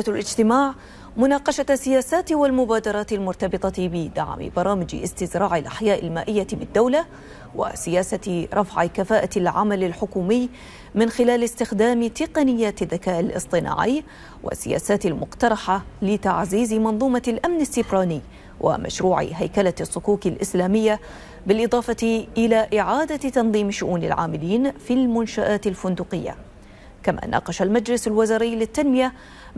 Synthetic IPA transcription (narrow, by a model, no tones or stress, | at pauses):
alʔɪd͡ʒt̪ɪmaːʕ | mʊnaːqɑʃasːɪjaːsaːt̪walmʊbaːd̪ɑɾˤɑːt̪ɪlmʊɾˤt̪ɑbɨt̪ˤɑbɪd̪a̰ʕmɪ̰bɑɾˤɑːmɪd͡ʒɪʔɪ̰st̪ɪzɾˤɑːʕɪlʔaħjaːʔɪlma̰ːʔɪjːabɪd̪ːawla | wa̰sɪjaːsaɾˤɑfʕɪkafaːʔalʕa̰malɪlħʊkuːmɪjː | mɪnxɪlaːlɪst̪ɪxd̪aːmt̪ɪqɑnɪjːaːt̪ɪðːakaːʔɪlʔɨ̰sˤt̪ˤɨna̰ːʕɪjː | wʔa̰sːɪ̰ja̰ːsaːt̪ɪlmʊqt̪ɑɾˤɑħalɪt̪aʕziːzmɑnðˤuːmɑlʔamnɪsːɪbɾaːnɪː | wʔa̰mʔa̰ʃɾuːʕɪ̰ɦajkalasːʊkuːkɪlʔɪslaːmɪjːa | bɪlʔɨðˤɑːfɑt̪ʔɪlaːʔɪʕaːd̪at̪ɑnðˤiːmʃʊʔuːnɪ̰lʕa̰ːmɪliːnfilmʊnʃaʔaːt̪ɪlfʊnd̪uːqɪjːa̰ | kamʔa̰nʔɑ̰ːqɑʃalmad͡ʒlɪsalwazaːɾɪjːlɪt̪ːanmɪja